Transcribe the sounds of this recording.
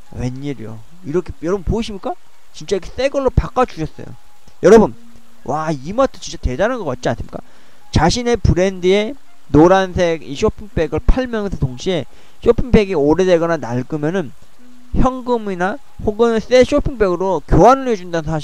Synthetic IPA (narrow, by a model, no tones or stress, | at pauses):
we̞ɲːiɾijo̰ | iɾʌkʰejʌɾʌbɯnpoiɕʰimɲik͈a | t͡ɕint͡ɕ͈ajkʰe̥s͈e̞ɡʌɭːopak͈ad͡ʑuɕʰʌs͈ʌ̰jo̰ | jʌɾʌbɯn | wʔaimatʰɯt͡ɕint͡ɕ͈ate̞daɾɯnɡʌk͈at̚t͡ɕia̰ns͈ɯmi̥k͈a | t͡ɕaɕʰine̞puɾe̞ndɯe̞ | noɾansʰe̞ɡiɕʰopʰiŋp͈e̞ɡɯɭpʰaɭmjʌnsʰʌtoŋɕʰie̞ | ɕʰopʰiŋpʰeɡioɾe̞de̞ɡʌnanaɭɡɯmjʌnɯn | çjʌŋɡɯmina | hoɡɯns͈e̞ɕ͈ʰopʰiŋp͈e̞ɡɯɾokjoɦanɯɭed͡ʑundannsʰaɕi